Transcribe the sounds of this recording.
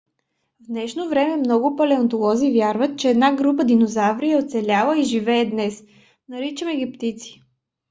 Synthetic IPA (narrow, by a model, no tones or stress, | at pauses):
vd̪nɛʃnovɾɛmɛmnɔɡʊpɐlɛɐnt̪olˠɔzivjaɾvət̪̚t͡ʃɛːd̪naɡɾup̬əd̪inozavɾiɛot̪sɛlʲalˠəiʒivɛːd̪nɛs | nɐɾit͡ʃəmɛɡʲipt̪it̪si̥